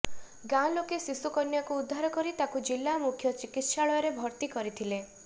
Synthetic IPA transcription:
ɡãlokesisukɔnjakuːd̪ʱːaɾɔkɔɾit̪akud͡ʒilːamukʰjɔt͡ʃikit̪ʃaɭɔjɔɾebʱɔɾt̪ikɔɾit̪ʰile

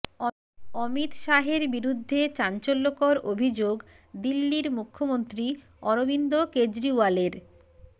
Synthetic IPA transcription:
ɔmit̪ʃaɦeɾbiɾud̪ʱːet͡ɕant͡ɕolːokoɾobʱid͡ʑoɡ | d̪ilːiɾmukʰːomont̪ɾi | ɔɾobind̪oked͡ʑɾiwaleɾ

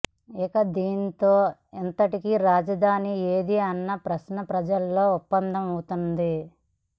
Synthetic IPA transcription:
ikɐd̪iːnt̪oːent̪ɐʈikiɾaːd͡ʒɐd̪ʱaːnieːd̪iɐnːɐpɾɐʃnɐpɾɐd͡ʒɐllːo̞ːupːɐnd̪ʱɐmut̪und̪i

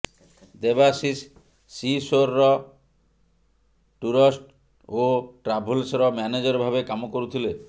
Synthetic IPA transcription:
d̪ebasisː | isoɾːɔ | ʈuɾɔsʈ | oʈɾabʱulsɔɾɔmɛned͡ʒɔɾbʱabekamokoɾut̪ʰile

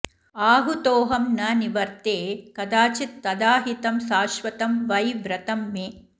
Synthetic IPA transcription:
aːɦut̪oːɦɐmnɐniʋɐɾt̪eːkɐd̪aːt͡ʃit̪ːɐd̪aːɦit̪ɐmsaːʃʋɐt̪ɐmʋɐjʋɾɐt̪ɐmːeː

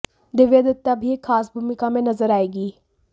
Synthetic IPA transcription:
d̪ɪʋed̪ət̪ːabʱiekʰːaːsbʱumɪkamẽnɐzəɾaːeːɡiː

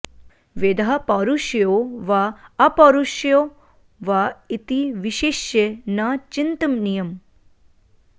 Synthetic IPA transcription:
ʋed̪ʱapaɾuʃjoʋaɐpɐɾuʃjo | ʋait̪iʋiʃeʃjenat͡ʃint̪ɐmnijɐm

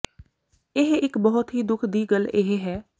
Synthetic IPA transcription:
ɪɦɪkbəɦʊt̪ɦiːd̪ʊkʰd̪iːɡəleɦeɦɛː

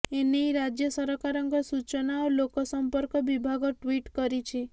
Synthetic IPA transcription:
eneɾad͡ʒjəsəɾɔkaɾəŋɡəsut͡ʃənaolokosəmpəɾkəʋibʱaɡoʈʋiʈkəɾit͡ʃʰe

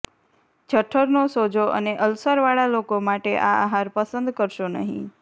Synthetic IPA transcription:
d͡ʒʱəʈʰːəɾnosod͡ʒoʔə̰neʔəlsəɾʋaɭalokomaʈeʔa̰aɦaɾpəsənd̪kəɾʃonə̰ɦḭ̃

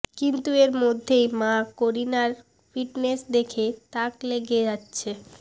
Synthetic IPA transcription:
kint̪ueɾmod̪ʱːejmãkoɾinaɾ | fiʈnesd̪ekʰet̪akleɡed͡ʑatːɕʰe

